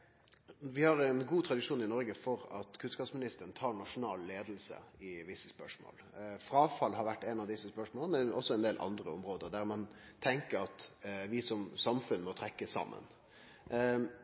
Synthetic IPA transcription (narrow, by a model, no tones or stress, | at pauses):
ʋɪhɑɾɛnɡuːt̪ʰɾɑd̪ɪʂuːnɪnɔɾɡəfɔɾɑt̪kʰʉnskɑːpsmɪnɪst̪əɾɳ̩t̪ʰɑːɾɳɑʂʊnɑ̰ːlːeːd̪lsə̰ɪʋɪsːəspœʂmo̰ːlfɾɑːfɑlɦɑɾʋæʈːɛnɑʋd̪ɪsːəspœʂmoːləmɛnɔsːɔɛnd̪eːlʔɑ̰nd̪ɾəɔ̰mɾoːd̪əd̪æɾmɑnt̪ʰɛŋkəɾɑt̪ʋɪsɔmsɑmfʉnmɔt̪ʰɾɛkːəsɑ̰mːə̰n